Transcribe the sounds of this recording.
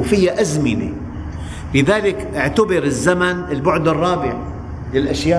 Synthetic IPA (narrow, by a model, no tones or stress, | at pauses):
fɪjːaʔazmɪnḛ | lɪðaːlɪkʔɪʕt̪abɪɾɪzːamanɪlbʊʕd̪ɪrˤːɑːbɪʕa | lɪlʔaʃjaː